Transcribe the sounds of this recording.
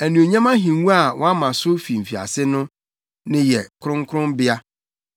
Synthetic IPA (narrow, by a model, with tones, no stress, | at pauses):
æ˨nũ˨o˨ɲã˦mã˦ɦĩ˨ŋ˦wũ˦a˨wʔɔ̃˦a˦mã˨sʊ˦fi˨m̩˨fi˨a̰˨sɪ˦nʊ̃˦ | nɪ̃˦jɛ˨kʰʊ˦ɾʊ̃˦ŋkʰʊ˦ɾʊ̃˦mbɪ˦a˦